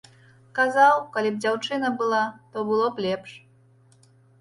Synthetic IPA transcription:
kazawkalʲib̚d͡zʲawt͡ʂɨnɐbɨlˠat̪ɔbɨlˠɔplʲɛpʂ

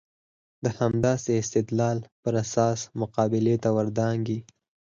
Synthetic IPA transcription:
d̪əhamd̪ɑːseɪst̪ɪd̪lɑːlpəɾasɑːsmʊqɑːbɪlet̪awaɾd̪ɑŋɡi

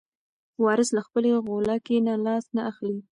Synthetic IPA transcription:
wɑɾəslaxpəleɣolɑkenalɑsnaʔaxli

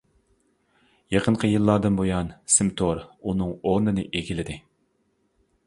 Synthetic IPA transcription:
jɑqʰəɴqʰəjɨlˠːɑd̪ɨnbojɑnsɪmt̪ʰoɾunɨŋoɾnɨnɨʔeɡʲilɪd̪ɪ

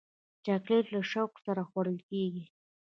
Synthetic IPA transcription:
t͡ʃaklellaʃawksaɾaxwaɾəlkeɡi

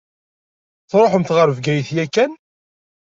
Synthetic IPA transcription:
θɾˤoħəmθʁəɾvɡæjθjækːæn

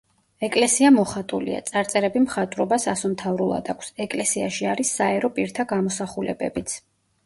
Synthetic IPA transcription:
ɛkʼlɛsiamɔχat̪ʼulḭa̰t̪sʼaɾt̪sʼɛɾɛbimχat̪ʼɾɔbasasɔmt̪ʰavɾulˠa̰d̪akʷʰsɛkʼlɛsiaʃiaɾisːaɛɾɔpʼiɾt̪ʰaɡamɔsaχulɛ̰bɛ̰bit̪sʰ

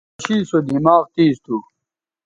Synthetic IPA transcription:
ɕiːsod̪ʱimaːʁt̪iːst̪u

